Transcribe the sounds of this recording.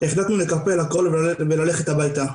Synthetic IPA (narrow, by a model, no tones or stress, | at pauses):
eχlat̪nule̞kapelakolvvelale̞χe̞t̪habajt̪a